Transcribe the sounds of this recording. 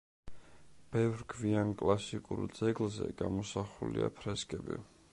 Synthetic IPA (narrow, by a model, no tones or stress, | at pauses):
b̥ɛvɾkʰviankʼlasikʼuɾd̪z̥ɛɡlˠzɛ̰ɡamɔsaχuliapʰɾɛskʼɛbḭ